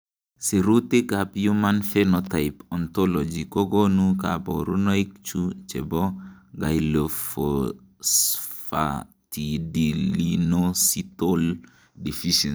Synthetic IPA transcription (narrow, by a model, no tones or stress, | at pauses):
siɾutekapjumanfenɔtaɪpɔnt̪ɔlɔd͡ʒikoɡonuka̰bɔɾunoik̚t͡ʃut͡ʃebɔɡa̰jlofo | sfa̰ | tidiinositol | difiʃin